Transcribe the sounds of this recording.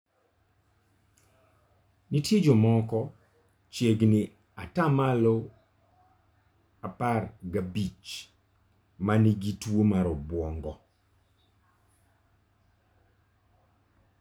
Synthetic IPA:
nitjed͡ʒɔmɔkɔ | t͡ʃjeɡnɪ | atamalɔ | aparɡabit͡ʃ | maniɡitwomaɾɔbwɔŋɡɔ

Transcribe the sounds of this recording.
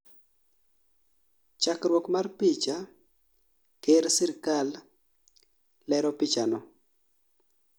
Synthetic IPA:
t͡ʃakɾwɔkmarpit͡ʃa | keɾsɪɾkal | ɛɾɔpit͡ʃanɔ

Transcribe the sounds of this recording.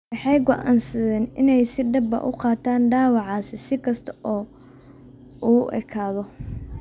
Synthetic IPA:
wɑħɑjɡɔʔa̰ːnsɐðɛːnɪnɛjsɪɖɐbɐ̰ʔʊqɑːt̪ʰaːnɖaːwɑʕɑːsɪsɪkʰɐst̪ʰɐʔɔː | uːʔɛ̰kʰaːðɔ

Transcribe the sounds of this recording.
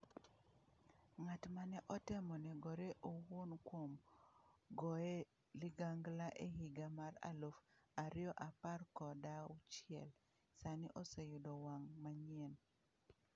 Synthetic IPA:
ŋatmanɛʔɔtɪmɔnɛɡɔɾeʔowonkwom | ɡɔe | lɪɡaŋɡlaʔehiɡamaɾa̰lofaɾɪjɔʔaparkɔdaʊt͡ʃɪɛl | saniʔosejʊdɔwaŋmaɲɛn

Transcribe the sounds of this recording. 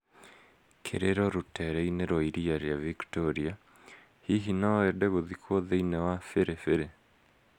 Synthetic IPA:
kʰḛɾeɾɔɾotɛɾɛineɾɔiɾiaɾejaviktoɾia | hiɦinaɛdɛɣoðikʰwoðeinewafeɾefeɾe

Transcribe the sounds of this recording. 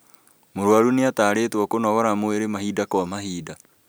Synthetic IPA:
moɾwaɾuneataːɾetwɔkonɔɣɔɾamoeɾemahiːdakwamahiːda

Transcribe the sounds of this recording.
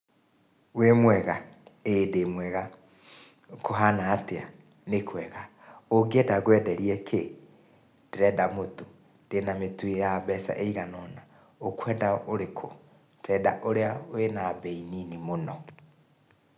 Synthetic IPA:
wemwɛɣa | eːdemwɛɣa | koɦanaːtea | nekʰwɛɣa | oɡiedaɡwɛdɛɾiɛkʰe | nd̥eɾɛdamoto | d̥enametuejaβɛsa̰ʔeiɣanɔna | okwɛdaoɾekʰo | d̥eɾɛdaʔoɾeaoenabeininimonɔ

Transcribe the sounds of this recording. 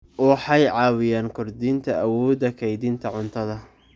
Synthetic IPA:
wɑħɑjʕɑːwɪjaːnkʰʊrd̪iːnt̪ʰɐʔɐwɔːd̪ɐkʰɛjd̪iːnt̪ʰɐʕʊnt̪ʰɐðɐ

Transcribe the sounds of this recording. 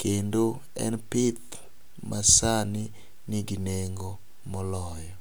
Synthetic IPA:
kendo | ɛ̰npɪt̪ | masani | niɡineŋɡo | mɔlɔjɔ

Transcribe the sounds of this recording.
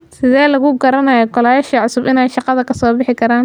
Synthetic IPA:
sɪðɛːlɐɣʊɡɐɾɐnɐjɔkɔlaːjɛʃɐʕʊsʊbɪnɛːjʃɑqɑðɐkʰɐsɔːbɪħɪkʰɐɾaːn

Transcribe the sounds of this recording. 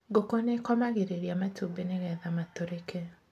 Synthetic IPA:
ɡokonekɔmaɣeɾeɾjamatobeneɣɛðamat̪oɾeke

